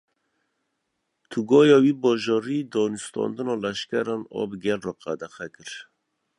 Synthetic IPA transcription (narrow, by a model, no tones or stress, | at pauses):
t̪ʰuɡɔːjɑːwiːbɔːʒɑɾiːd̪ɔːnust̪ɑ̰nd̪ɨnɑːlɛʃkɛɾɔnɔ̰ːbɨɡɛlrɔːqæd̪ɛxɛkɨɾ